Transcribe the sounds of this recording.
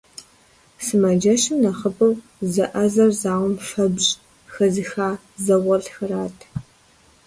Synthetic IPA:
sɨmɐd͡ʒɐʃɪmnɐχəpʰʼɐw | zɐʔɐzɐrzaːwʷʊmʂɐbɕʼ | xɐzɨxaː | zɐwɐɮxɐraːtʰ

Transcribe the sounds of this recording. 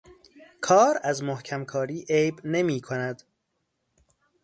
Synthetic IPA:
kʰɒːɾæzmohcʰæmkʰɒːɾiːʔejbne̞miːkʰonæd̪̥

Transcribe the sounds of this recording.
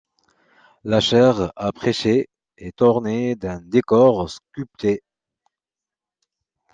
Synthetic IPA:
laʃɛʁapχeʃe | et̪ɔʁned̪ɛ̃d̪ekɔʁskʲypt̪ʰe

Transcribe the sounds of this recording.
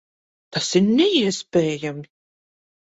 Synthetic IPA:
t̪asiɾnʲɛiɛspʲeːjam

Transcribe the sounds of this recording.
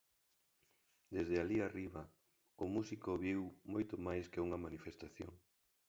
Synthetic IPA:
d̪ezðɪaliariβɐ | ʊmusikoβiwmojt̪omajskeuŋɐmanifest̪aθjo̰ŋ

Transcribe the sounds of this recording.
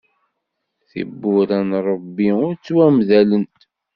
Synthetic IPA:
θḭbːʊɾænɾˤəbːiʊɾt͡sːwæmðælənt̪

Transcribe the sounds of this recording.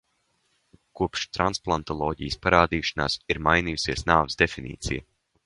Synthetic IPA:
kuɔpʃt̪ɾansplˠant̪ɔlˠɔːɟḭjspaɾaːd̪iːʃana̰ːsiɾmajnijusiɛsnaːvəzd̪efinḭːt̪sḭja

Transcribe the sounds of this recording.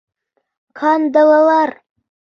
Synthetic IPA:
kʰɑnd̪ɑlˠɑlˠɑɾ

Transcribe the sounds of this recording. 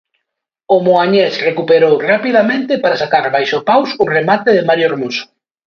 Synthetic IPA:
ʊmoaɲesrekupeɾowrapiðamẽnt̪ɪpaɾasakaɾβajʃopawsʊremat̪eðɪmaɾjoeɾmusʊ̥

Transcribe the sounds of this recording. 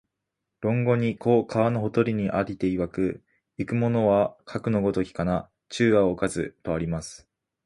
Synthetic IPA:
ɾõ̞ŋɡo̞ɲ̟ikʰo̞ːkʰaβano̞ɦo̞t̪o̞ɾʲiɲ̟iʔaɾʲit̪e̞iβakɯ̟ | ikɯ̟mo̞no̞βakʰakɯ̟no̞ɡo̞t̪o̞kʲi̥kana | t͡ɕɨːβaokazɨ̰t̪o̞aɾʲimasɨ̥

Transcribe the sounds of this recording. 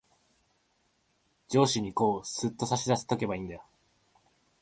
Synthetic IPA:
d͡ʑo̞ːɕiɲ̟iko̞ːsɨt̪ːo̞saɕid̪asɨ̥t̪o̞ke̞baĩːnd̪ao

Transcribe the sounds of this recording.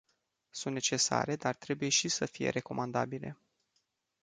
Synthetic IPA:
sunt̪ne̞t͡ʃe̞sa̰ɾe̞d̪art̪ɾe̞buje̞ʃisəfije̞̰ɾe̞ko̞mand̪a̰bile̞̰

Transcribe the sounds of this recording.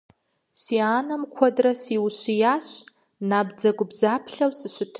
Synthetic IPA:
siaːnɐmkʷʰɔdrɐsiwɕijaːɕ | naːbd͡zɐɡʷʊbzaːpʰɬɐwsɨɕɪtʰ

